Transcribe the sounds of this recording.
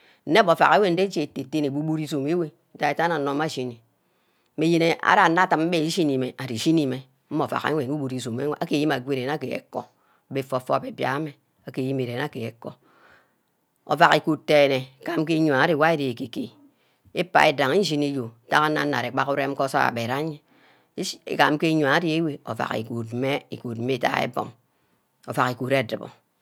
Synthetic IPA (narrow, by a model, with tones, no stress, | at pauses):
n̩˦ne˦bo˨fa̰˨ɣe˦we˦n̩˦de˦d͡ʒe˨te˨tːe˦ne˨bu˦bu˦ɾi˦zo˨me˦we˦ta˦e˦˨ta˦na˨no˦ma˦˨ʃi˦ni˨˦ | me˨je˦ne˨a̰˦ɾa˦˨˦na˦ta˦m̩˦be˦i˦ʃi˦ni˨me˨ʔa˨ɾi˨ʃi˦ni˦me˨ | m̩˦mo˨fa̰˨ka̰˦we˨nu˦bu˦ɾi˨zo˨me˦a˦ke˦˨ji˦ma˨ɡʷe˦˨e˨n˦a˦ke˨ḛ˨kɔ̰˦˨ | be˨fo˨fo˦˨pe˨bja̰˨˦me˨ | a˨ke˨ji˦me˨ɾe˨na˦ke˨e˨ko˦ | o̰˨va˨ke˨ku˨tːe˨ne˨ka˨m̩˦k̬e˦ɲ˨a˨a˦ɾe˨wa˦e˦de˨e˨ke˨ke˨ | e˦pa˦˨e˦da˨ŋi˦n˦ʒi˦ni˦jo˨˦ta˦ka˦na˦a̰˨ɾe˨k͡pa˦ku˦ɾe˦m̩˦ko˦sa̰˦a̰˨be˨ɾa˦ɲḛ˦˨ | ka˨m̩˦ke˦ɲ˨a˨a˦di˦e˦we˨o̰˨va̰˨kḭ˨ku˨t̩̚˦me˦ḭ˨ku˨t̚m̩˦me˦ta̰˨ḛ˦bo̰˨ŋ | o̰˨va˨ki˨ku˨ɾe˦˨dɨ˨bɔ̰˨